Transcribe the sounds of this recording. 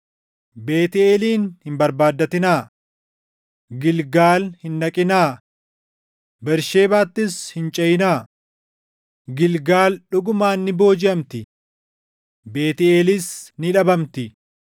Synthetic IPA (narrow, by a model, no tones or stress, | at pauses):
be̞ːt̪ɪeːliːnhɪmbɐɾbaːd̪ːɐt̪ɪnaː | ɡɪlɡaːlhɪnːɐkʼɪnaː | bɛɾʃe̞ːbaːt̪ːɪshɪnt͡ʃʼɐjɪnaː | ɡɪlɡaːlɗʊɡʊmaːnːɪbo̞ːd͡ʒɪɐmt̪ɪ | beːt̪ɪeːlɪsnɪᶑɐbɐmt̪ɪ